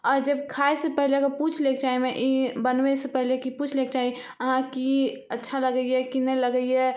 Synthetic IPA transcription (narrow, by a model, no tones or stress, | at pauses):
ɔɾd͡ʒebkʰaesepəɦlekeput͡ʃʰlekt͡ʃaɦimeʔibənbɛsepəɦilekiput͡ʃʰlek̚t͡ʃaɦi | əɦãki | ətːʃʰaləɡəijekinələɡəije